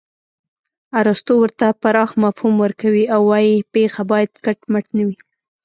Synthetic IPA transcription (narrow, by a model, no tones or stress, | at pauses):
aɾast̪owəɾt̪apaɾɑxmafhumwəɾkawiawːɑjipexabɑjad̪̚kaʈməʈnawi